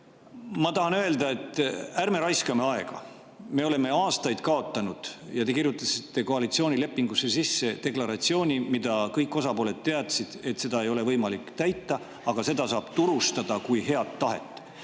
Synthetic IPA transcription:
mɑt̪ɑɦɑnøe̞ld̪ɑe̞t̪ːˑærme̞ɾɑjskɑme̞ɑe̞ɡ̥ɑ̰ | me̞o̞le̞me̞ɑːst̪ɑjd̪̥kɑo̞t̪ˑːɑnud̪̥jɑt̪e̞kirjut̪ːˑɑsi̥t̪ːˑe̞ko̞ɑlit̪sio̞ːnʲile̞pːiŋɡ̥usːe̞sisːe̞t̪e̞klɑɾɑt̪sio̞ːnʲimid̪̥ɑkɤjkːˑo̞sɑpo̞le̞d̪̥t̪ːe̞ɑt̪sid̪̥e̞t̪se̞d̪ɑe̞jo̞le̞vɤjmɑlikt̪æjt̪ːˑɑ | ɑɡ̥ɑse̞d̪̥ɑsɑːb̥t̪uɾust̪ɑd̪̥ɑkujhe̞ɑd̪ːɑɦe̞̰t̪ːˑ

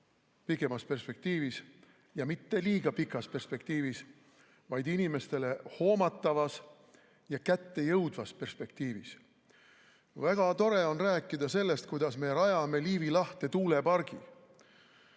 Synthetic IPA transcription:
pike̞mɑspe̞rspe̞k̚t̪iːvis | jɑmit̪ːe̞liːɡ̥ɑpikːˑɑspe̞rspe̞k̚t̪iːvis | vɑjd̪̥inime̞st̪e̞le̞ho̞ːmɑt̪ːˑɑvɑs | jɑkæt̪ːe̞jɤwd̪vɑspe̞rspe̞k̚t̪iːvis | væɡ̥ɑt̪o̞ɾe̞o̞nræːkːˑid̪̥ɑse̞lːe̞st̪̚kujd̪̥ɑsme̞ɾɑjɑme̞liːvilɑht̪e̞t̪uːle̞pɑrɡ̥i

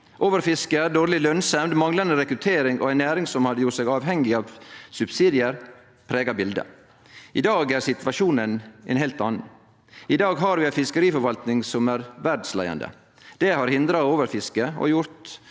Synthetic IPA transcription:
ʔoːʋəɾfɪskəæɖoːɾlɪlœnsɛmd̪mɑŋlɑnd̪əɾɛkɾʉt̪ʰeːɾɪŋʔo̰æɪnːæːɾɪŋsɔmhɑd̪ːəjʊʈsɛːɡɑːʋhɛŋɪɑːʋsʉbsiːd̪ɪəɾ | pʰɾeːɡɑbɪld̪ə̰ | ʔɪd̪ɑːɡæɾsɪt̪ʋɑʂuːnənɛɪnɦɛlt̪ɑːnn̩ | ɪd̪ɑːɡɦɑɾʋɪæɪfɪskəɾiːfɔɾʋɑlt̪nɪŋsɔmæɾʋæɖslæ̰ɪɑ̰nd̪ə̰ | d̪̥ɛhɑɾhɪnd̪ɾɑoːʋəɾfɪskəɔ̰jʊɾt̪

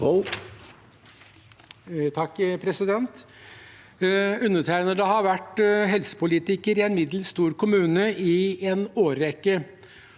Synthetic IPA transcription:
t̪ʰɑkːpʰɾɛsɪd̪ɛnt̪ | ʉnːət̪ʰæɪnəd̪ɛhɑɾʋæʈɦɛlsə̥pʊliːt̪ɪkəɾɪɛnmɪd̪lst̪uːɾkʊmʉːnəʔɪenoːɾɛkːə

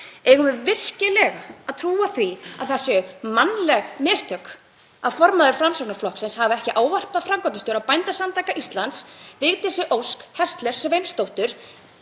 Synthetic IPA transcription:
ɛɣʏmʏɾvɪr̥cɪlɛɣaːðt̪ʰɾuːaθvia̰ðθɛsːʏmanlɛɣmɪːst̪ʰœk | aðfɔɾmaðʏɾ̥fɾamsɔknaflɔhksɪnshavɪɛhcɪʔaːwvar̥paðfɾaŋkɔt̪ɪst̪ʏɾawpajnt̪asamt̪aːjkaʔist̪lant̪svɪːɣt̪ɪsɪʔowskhɛr̥st̪lɛɾ̥svejnst̪owht̪ʏɾ̥

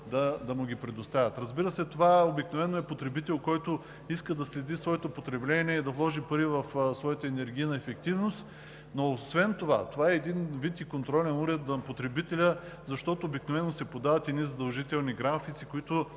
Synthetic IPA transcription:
d̪ɐd̪ɐmuɡʲipɾɛd̪ost̪avʲət̪ɾɐzbiɾəsɛt̪ovaobiknovɛnːoɛpot̪ɾɛbit̪ɛlˠkɔjt̪o | iskəd̪ɐslɛd̪isvɔɛt̪opot̪ɾɛblɛniɛid̪ɐvlˠɔʒipɐɾivɐfsvɔjət̪əɛnɛɾɡʲijnɐɛfɛk̚t̪ivnost̪ | noːsvɛnt̪ova̰t̪ovaɛːd̪invit̪ikont̪ɾɔlʲɛnuɾɛt̪zɐpot̪ɾɛbit̪ɛlʲə | zɐʃt̪ɔt̪oːbiknovɛnːosɛpod̪avɐt̪ɛd̪nizɐd̪ɐlˠʒit̪ɛlˠniɡɾafit̪sikoit̪ʊ

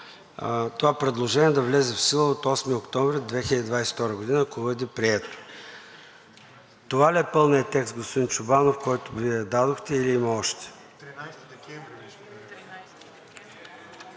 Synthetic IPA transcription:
t̪ovapɾɛd̪lˠoʒɛnʲiɛd̪ɐvlɛzɛfsilˠəot̪ɔsmiokt̪ɔɱvɾʲɛd̪vɛxʲɪlʲəd̪id̪vajsɛ̥ft̪ɔɾəɡod̪inəɐkobəd̪ipɾiɛt̪o̥ | t̪ovaliɛpɤlˠnijət̪ɛkst̪ɡospod̪int͡ʃʊbanofkɔjt̪ʊviɛd̪ad̪oxt̪ɛiliimɐɔʃt̪ɛ̥

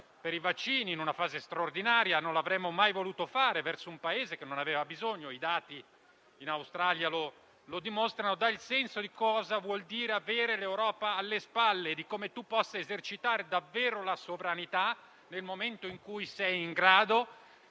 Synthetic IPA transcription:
peɾivat͡ʃːiːniːnunafaːzest̪ɾaord̪inaːɾjanonlavɾɛmːomajvoluːt̪ofaːɾevɛrsoumpaeːzekenːonaveːvabizoɲːoid̪aːt̪iː | nawst̪ɾaːljalo | lod̪imost̪ɾanod̪ailsɛnsod̪ikɔːzavwɔld̪iːɾeaveːɾelewɾɔːpaːlːespalːeːd̪ikoːmet̪upːɔsːaezert͡ʃit̪aːɾed̪avːeːɾolasovɾanit̪a | nelmoment̪oiŋkujsɛjiŋɡɾaːd̪o

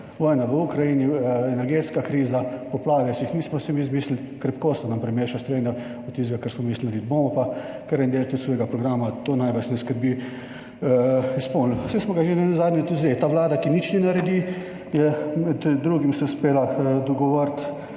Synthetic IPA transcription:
ʋɔːjnaʋəukɾajiniɛnɛɾɡeːt̪skakɾiːzapɔplaːʋɛsixniːsmɔsɛmiːzmiːslil | kɾɛpkoːst̪ɔnampɾɛmeːʃast̪ɾeːnɛ | ɔt̪̚ːiːsɡakəɾsmɔmiːslilibomɔpa | kəɾɐnd̪eːlat̪ʲɔt̪soːjɡapɾɔɡɾamat̪oːnajʋət͡ʃnɛskəɾbiː | ispolnsɛsmɔɡaʒenɛnɛzaːd̪nʲɛt̪uzeɛt̪aːʋlaːd̪akinit͡ʃnɛnaɾɛd̪iː | jɛmɛd̪ːɾuːɡimsɛuspeːlad̪ɔɡɔʋɔɾt̪

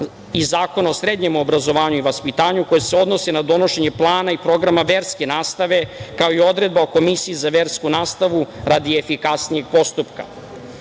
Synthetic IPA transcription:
izaːko̞naosɾe̞d̪ɲe̞mobɾazo̞ʋaːɲuiʋaspit̪aːɲuko̞jeseo̞d̪no̞senad̪o̞no̞ʃe̞ɲe̞plˠaːnaipɾo̞ɡɾamaʋe̞ːɾskenaːst̪aʋe̞kao̞io̞d̪ɾe̞d̪̚bao̞ko̞misiizaʋeːɾskunaːst̪aʋuɾad̪iefikasnije̞ɡ̥̚po̞st̪upka̰

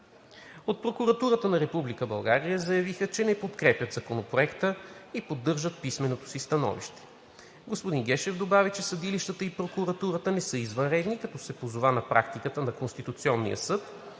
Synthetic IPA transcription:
ot̪̚pɾokuɾɐt̪uɾət̪ənɐɾɛpublikəbɐlˠɡaɾijəzɐjɐvixət͡ʃɛnɛpot̪kɾɛpjət̪zɐkonopɾoɛkt̪əipod̪ːɤɾʒət̪̚pismɛnot̪o̥sist̪ɐnɔ̰vḭʃt̪ɛ̥ | ɡospod̪inɡɛʃɛvd̪obavit͡ʃɛsɐd̪iliʃt̪ət̪əipɾokuɾɐt̪uɾət̪ənɛsɤizvənɾɛd̪nikɐt̪ɔsɛpozovanɐpɾak̚t̪ikət̪ənɐkonst̪it̪ut̪siɔnːḭjə̰sɤt̪

